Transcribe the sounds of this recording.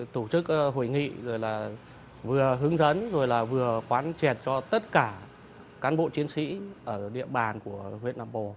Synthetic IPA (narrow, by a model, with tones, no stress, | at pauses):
t̪u˧˩t͡ɕɨ˦˥k̚ɦo˧˩jŋḭ˧˨zo˨˩jlaː˨˩ | vɨ˨˩əɦɨ˨˦əŋzə̰˧˥nzo˨˩jlaː˨˩vɨ˨˩əxwaː˨˦nt͡ɕɛ˨˩t̚t͡ɕɔ˧t̪ə˦˥t̚kaː˧˩ | kaː˨˦nɓo̰˧˨t͡ɕi˨˦ənsḭ˧˥ʔəː˧˩ɗḭ˧˨əɓaː˨˩nku˧˩əhwḭ˧˨ənʔa̰ː˧˨mpo˨˩